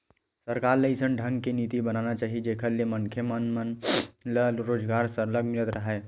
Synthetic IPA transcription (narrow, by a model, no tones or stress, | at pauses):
səɾkaːɾləɪsənɖʱɐ̃ŋɡkeniːt̪ibɐnaːnat͡ʃaːɦid͡ʒeːkʰəɾlemɐŋkʰjemənmənləlɾoːd͡ʒɡaːɾsəɾləɡmɪlət̪ɾɐɦaː